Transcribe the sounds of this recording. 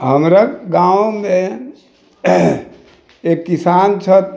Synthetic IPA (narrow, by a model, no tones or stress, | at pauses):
ɦəmɾaɡawme | ekːisant͡ʃʰət̪̚